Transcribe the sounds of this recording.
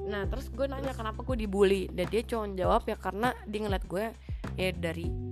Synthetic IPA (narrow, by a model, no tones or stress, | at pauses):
naht̪əɾʊsɡuɛnaɲakənapaɡuɛdibulidandiat͡ʃoɔnd͡ʒawapjakaɾənadiŋəlat̪̚ɡuɛ | jadaɾi